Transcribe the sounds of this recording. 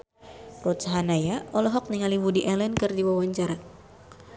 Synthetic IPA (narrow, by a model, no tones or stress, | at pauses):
rɔt̪saɦanajaɔlɔɦɔk̚niŋaliwudiʔɛlɛnkɨrdiwawaɲt͡ʃaɾa